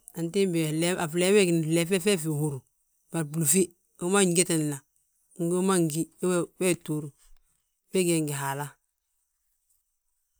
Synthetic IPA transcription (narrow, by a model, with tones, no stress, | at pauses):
a˨nti˦bla˨fle˦me˦ɡn˨le˨fe˦fe˦fi˨hu˨ɾu˨ | ba˨bu˨lu˨fi˦ | o˦ma˦ɲ˦ɡe˦te˨n˨la˨ | ŋ˦ɡo˦ma˦ŋɡi˦wwe˦tu˦ɾu˨ | be˦ɡeː˨ŋɡi˨ɦa˨la˦